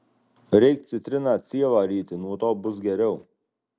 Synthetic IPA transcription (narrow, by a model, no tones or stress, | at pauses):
ɾʲɛɪk̚t̪sʲɪt̪ʲɾʲɪnaːt̪sʲiɛʋaːɾʲiːt̪ʲɪnuɔt̪oːbʊsɡʲɛɾʲɛʊ